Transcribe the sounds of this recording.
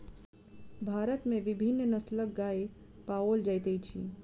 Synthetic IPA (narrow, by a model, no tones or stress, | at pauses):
bʱaɾət̪meʋibʱinːnəslək̚ɡae | paold͡ʒajt̪əjt͡ʃʰḭ